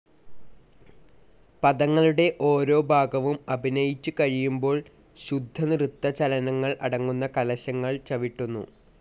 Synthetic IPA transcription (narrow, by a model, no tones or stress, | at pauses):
pɐðɐŋːɐɭuɽe̞ʔo̞ːɾo̞ːbʱaːɡɐʋumɐbʱinɐjit͡ɕːukɐɻijumbo̞ːɭ | ɕud̪ʱːɐnrut̪ːɐt͡ɕɐlɐnɐŋːɐɭɐɽɐŋːunːɐkɐlɐɕɐŋːɐɭt͡ɕɐʋiʈːunːṵ